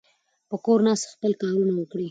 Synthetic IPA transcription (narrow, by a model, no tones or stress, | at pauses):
pəkoɾnɑst̪ḁxpəlkɑɾunawəkɽi